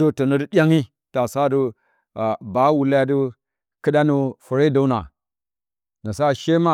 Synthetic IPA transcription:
do˦to˨no˦də˦ɗʲa˦ŋi˦ | ta˨sa˦du˦˨ | ba˦wu˨la˦ja˦du˦ | kɨ˦ɗa˦nu˨fu˨ɾe˦da˦u˦na̰˨ | na˨sa˦˨ʃe˦ma˦˨

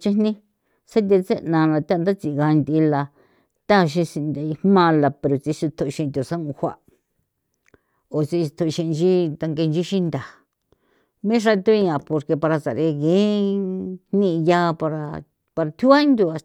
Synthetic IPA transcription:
t͡ʃi˦nnĩ˦ | sa˦t̪̬e˧t͡se˦nã˧la˧t̪a˦˧nd̪a˦t͡si˧˨˧ɣa˧nd̪i˧la˧ | t̪a˦˧ʃ̬ĩ˧si˧nd̪a˧i˧hmã˦˧la˨pe˧ɾo˨t͡si˧ʃi˧t̪ʰo˧˨˧ʃĩ˧t̪ʲo˨sa˦ũ˧hʷa̰˧ʔ | o˨t͡si˧t̪ʰo˧ʃĩ˧t͡ʃi˦t̪a˧ŋɡe˧nd͡ʒi˦ʃi˦nd̪a˨ | mĩ˦ʐa˧t̪u˦i˧ã˨po˧ɾke˧pa˧ɾa˧sa̰˨ɾe˧ɣẽ˦ | nnĩ˦˧ja˧pa˧ɾa˧ | pa˧ɾa˧t̪ʰu˦a˦ĩ˦nd̪u˧a˧

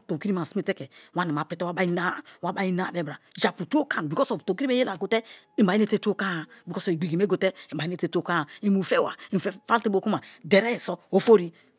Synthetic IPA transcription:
to˨ki˦ɾi˦m˨a˨si˦mi˦te˦ke˨wa˦ne˨ma˨pɾe˨˦te˦wa˦ba˦i˦na˦˨wa˦ba˦i˦na˦˨be˦˨bɾa˨d͡ʒa˨pu˨tu˦o˦ka˦˨n˨bi˨kɔ˦sɔ˨vto˨ki˦i˦e˦je˦la˨ɡo˨te˦ | i˨m˨a˨˦i˦ne˦te˦tu˦o˦ka˦˨bi˨kɔ˦sɔ˨i˨ɡ͡bi˨ɡi˨me˦ɡo˨te˦i˨ba˨i˦n˦e˦te˦to˦˨ka˦˨i˨mu˨fe˦wa̰˨i˨fe˦fa˦te˦bo˨ku˦ma˨de˨ɾe˦i˨sɔ˦o˦fo˦ɾi˦

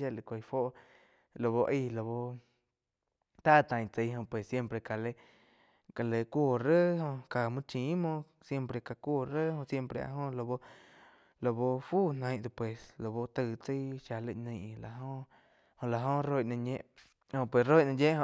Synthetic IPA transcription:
ʃa˧˨lɨ˧˨kʷa˧˨jfo˦ʔ | lo˧βo˧ʔi˧lo˧bo˧ | t̪a˦˨t̪ã˧jt͡sə˧jɦõ˧pwe˨sːje˦˧mpɾe˧ka˨le˧ | ka˨le˨ku˦˧˨ɾə˦ɦõ˧ka˧mũ˧t͡ʃĩ˨˦mõ˧ | sje˦˧mpɾe˧ka˧kʷu˦˧˨ɾə˦hõ˧ʔsje˧mpɾe˧a̰˧ɦõ˧lo˧bo˧ | lo˧bo˧fu˦nã˧jd̪u˧˨pwe˨slo˨bo˧t̪ɨ˧˨t͡sə˧˦ʃa˧le˧nə̃˧˨˧la˧ɦõ˧ | hõ˧ʔla˧ɦõ˦ro˧jnã˧ɲẽ˧ʔ | hõ˧pwe˧˨sro˦jnã˧jẽ˦ʔo˧

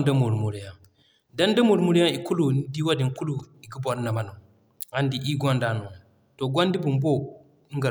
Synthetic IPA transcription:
ndə˦mu˨ɾmu˨ɾi˨ja˦˨ | da˦ndə˦mu˨ɾmu˦ɾja˦i˨ku˦lu˨n˦di˦wa˦di˨ŋku˦lu˨i˨ɡi˦bo˨ɾna˨ma˨nu˨m | a˦ndi˨ʔi˦ɡo˦nda˨nu˨ | to˨ɡʷo˦ndi˦bu˨mbo˦ | ŋɡa˨

